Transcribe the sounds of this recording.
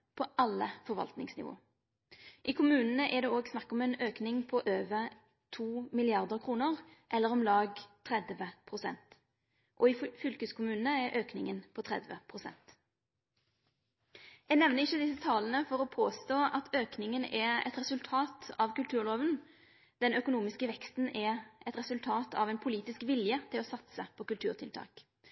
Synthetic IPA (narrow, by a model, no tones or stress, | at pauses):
pʰɔʔɑlːəfɔʁʋɑ̰lt̪nɪ̰ŋsnɪ̰ʋo̰ː | ʔɪkʰʊmʉːnən̩əʔɛd̪ɛːoːɡsnɑkːɔmɛnøːknɪŋpʰɔʔøːʋə | t̪ʰuːmɪlɪɑʁd̪əʁkʰʁuːnəʁʔɛlːəʁɔmlɑːɡt̪ʰʁɛd̪ʋəpʰʁʊsɛnt̪ | ʔɔɪfʏlkəskʰʊmʉːnənəɛʔøːknɪŋənpʰɔt̪ʰʁɛ̰d̪ʋə̰pʰʁʊsɛ̰nt̪ | jɛɡnɛʋnəɪçːəd̪ɪsːət̪ʰɑːlənəfɔɾɔpʰoːst̪oːʔɑt̪ʰøːknɪŋənɛɛ̰t̪ʁɛsʉlt̪ʰɑːt̪ɑʋkʉlt̪ʰʉːʁloːʋən | d̪̥ɛnœkʊnuːmɪskəʋɛkst̪n̩ɛɛt̪ʁɛsʉlt̪ʰɑːt̪ʰɑ̰ʋɛɪnpʰʊliːt̪ɪskʋɪljət̪ʰɪlɔsɑt̪səpʰɔkʉlt̪ʰʉːʁt̪ʰɪlt̪ʰɑ̰ːk